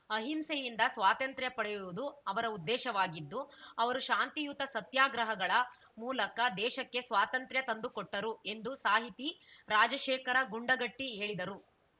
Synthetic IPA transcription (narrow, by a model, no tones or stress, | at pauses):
ɐɦimsejind̪ɐsʋaːt̪ɐnt̪ɾjɐpɐɽɛjuʋud̪uɐʋɐɾɐud̪ːɛːʃɐʋaːɡid̪ːuɐʋɐɾuʃaːnt̪ijut̪ɐsɐt̪jaːɡɾɐɦɐɡɐɭɐ | muːlɐkɐd̪ɛːʃɐkːe̞sʋaːt̪ɐnt̪ɾjɐt̪ɐnd̪ukɔʈːɐɾue̞nd̪usaːɦit̪iɾaːd͡ʒɐʃeːkɐɾɐɡuɳɖɐɡɐʈːiɦe̞ːɭid̪ɐɾu